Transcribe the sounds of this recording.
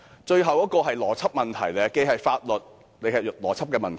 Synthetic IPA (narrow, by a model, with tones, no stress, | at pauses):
t͡ʃɵ˧ɥɦɐ˨wjɔː˦˥kɔː˧ɦɐ˨jlɔː˨˩t͡sʰɐ˥p̚mɐ˨nt̪ʰɐ̰˨˩jlɛ˨˧ke˧˥jhɐ˨jfaː˧t̚lɵ˨˩t̚ | ne˨˧jhɐ˨˩j̚lɔ̰ː˨˩t͡sʰɐ˥p̚kɛː˧mɐ˨nt̪ʰ